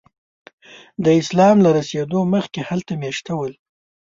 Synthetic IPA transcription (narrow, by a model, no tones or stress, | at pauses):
d̪əɪslɑmlaɾased̪oməxkehalt̪ameʃt̪awəl